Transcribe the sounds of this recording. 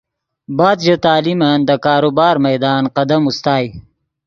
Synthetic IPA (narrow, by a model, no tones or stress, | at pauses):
baːd̪d͡ʑot̪aːlimɐnd̪əkaːɾubaːɾmɐjd̪aːnqɐd̪ɐmust̪aːj